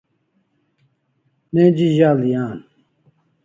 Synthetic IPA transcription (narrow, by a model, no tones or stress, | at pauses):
neːd͡ʑiʑaːlijaːn